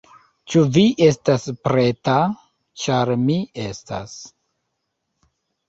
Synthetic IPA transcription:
t͡ʃuviʔe̞staspɾe̞ta | t͡ʃaɾmiesta̰s

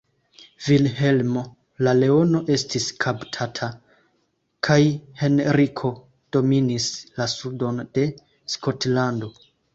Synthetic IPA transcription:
vilhe̞lmo̞ | lale̞o̞no̞ʔe̞stiskʰaptʰatʰa | kʰajhe̞nɾikʰo̞ | d̥o̞minislasudo̞nd̥e̞ | sko̞tlando̞

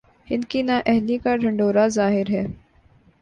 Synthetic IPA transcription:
hɪnkinaːʔɛɦlikaɖʱɐ̃ɳɖoːɾazaːɦɪɾɦɛː

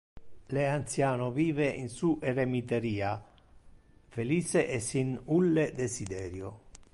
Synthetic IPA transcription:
leant̪sjaːnʊviːveḭnsuʔɛɾemit̪eɾiːa | feliːt͡ʃeʔɛsinulːed̪esid̪ɛːɾjo

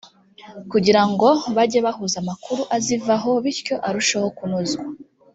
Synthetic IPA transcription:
kuɟiɾaŋɡo̞βaɟeβahuzamakuɾuʔazivaɦo̞βiɾco̞ʔaɾuʃeho̞kunuzɡwa

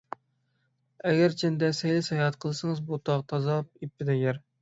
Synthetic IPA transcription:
ɛɡʲæɾt͡ʃʰɛnd̪ɛsɛjlɪshɛjɑt̪qʰəlˠɨsɨŋəzbot̪ʰɑʁt̪ʰɑzɑp̚ipːɪd̪ɛɡʲæɾ

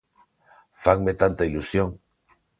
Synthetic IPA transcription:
fakmet̪ant̪ailusjoŋ

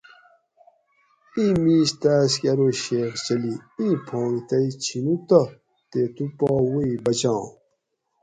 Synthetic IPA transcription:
ĩmiːɕt̪aːskɐɾoɕeːxt͡ɕɐliĩːpʰõːŋɡt̪ɐit͡ɕʰinut̪ɐ | t̪eːt̪upɔːwoibɐt͡ɕãː

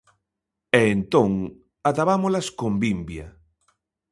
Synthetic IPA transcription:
ɛent̪oŋ | at̪aβamolaskombimbja

